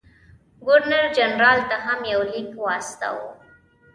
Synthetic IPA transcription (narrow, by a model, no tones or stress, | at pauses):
ɡʊɾnaɾd͡ʒanɾɑːlt̪aɦamjawlikwɑːst̪a̰wo̰